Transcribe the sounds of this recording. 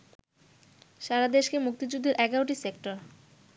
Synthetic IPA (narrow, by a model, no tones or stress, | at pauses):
ʃaɾad̪eʃkemuk̚t̪id͡ʑud̪ʱːeɾʔɛɡaɾoʈisekʈaɾ